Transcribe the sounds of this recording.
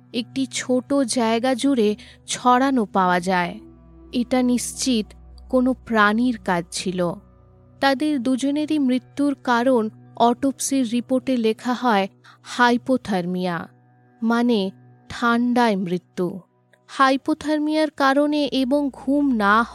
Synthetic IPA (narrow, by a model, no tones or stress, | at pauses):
ek̚ʈit͡ɕʰoʈod͡ʑaeɡad͡ʑuɾe | t͡ɕʰɔɽanopaoad͡ʑae | eʈaniʃt͡ɕit̪konopɾaniɾkad͡ʑt͡ɕʰilo | t̪ad̪eɾd̪ud͡ʑoneɾimɾit̪ːuɾkaɾonɔʈopsiɾːipoɾʈelekʰaɦɔe | hajpot̪ʰaɾmija̰ | mane | ʈʰaɳɖaemɾit̪ːu | hajpot̪ʰaɾmijaɾkaɾoneʔeboŋɡʱumnaɦ